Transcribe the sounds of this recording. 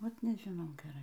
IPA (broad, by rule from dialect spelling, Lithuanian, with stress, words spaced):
ˈʋɐt nʲɛʒʲɪˈnɐʊ ɡʲɛˈrɐɪ